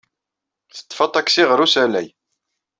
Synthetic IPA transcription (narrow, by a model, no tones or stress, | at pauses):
θə̥t̪ːfɑt̪ˤːɑksiʁɾusælæ̰j